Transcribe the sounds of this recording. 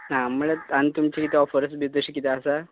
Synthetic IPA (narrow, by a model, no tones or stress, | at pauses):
namuɭaant̪umt͡ɕikit̪eɔfəɾəs̚bʱit̪əɕikit̪eəsa